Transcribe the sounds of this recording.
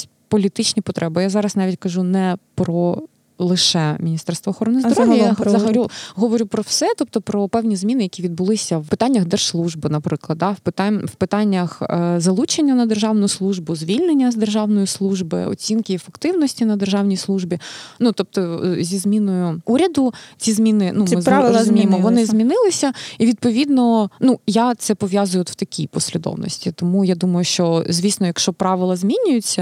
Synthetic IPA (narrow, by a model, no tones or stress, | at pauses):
pɔlʲit̪ɪt͡ʃnʲipɔt̪ɾʔɛbɪjazɑɾɐsnɑʋʲitʲkɐʒunɛpɾɔ | lˠɪʃɛmʲinʲist̪ɛrst̪ʋɔːxɔɾɔnɪzd̪ɔɾɔʋjijzɐɦɐɾʲuɦɔʋɔɾʲupɾɔwsɛt̪ɔp̚t̪ɔpɾɔpɛwnʲizmʲinɪjɐkʲiʋʲid̪̚bʊlˠɪsʲɐwpɪt̪ɑnʲːɐxd̪ɛrʒslˠuʒbɨnɐpɾɪklˠɐd̪̚d̪ɑwpɪt̪ɑwpɪt̪ɑnʲːɐxzɐlˠut͡ʃenʲːɐnɐd̪erʒɑwnʊslˠuʒbʊzʲʋʲilʲnenʲːɐzd̪erʒɑwnɔjʊslˠuʒbɪ̰ɔ̰t͡sʲinkɪfekt̪ɪwnɔsʲtʲinɐd̪erʒɑwnʲijslˠuʒbʲinut̪ɔp̚t̪ɔzʲizmʲinɔjʊuɾʲɐd̪ʊt͡sʲizmʲinɪnumɪzˠzmʲimɔʋɔnɪzmʲinɪlˠɪsʲɐiʋʲid̪̚pɔʋʲid̪nɔnujat̪sɛpɔʋʲjazʊjʊt̪wt̪ɐkʲʰipɔsʲlʲɪd̪ɔ̰wnɔ̰sʲtʲit̪ɔmujad̪umɐjʊʃt͡ʃɔzʲʋʲijsnɔjɐkʃt͡ʃɔpɾɑʋɪlˠɐzʲmʲinʲʊjʊt͡sʲːɐ